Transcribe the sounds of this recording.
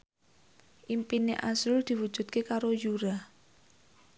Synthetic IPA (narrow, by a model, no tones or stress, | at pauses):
ʔimpineʔasɾʊld̪̥i̤wu̥ʒ̥ṳt̪̚kekaɾojuɾa